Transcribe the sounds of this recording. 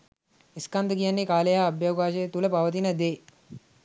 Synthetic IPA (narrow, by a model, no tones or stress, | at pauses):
iskand̪əkijanːekaːləjaːbjaːkaːʃəjət̪uləpaʋət̪̬inəd̪e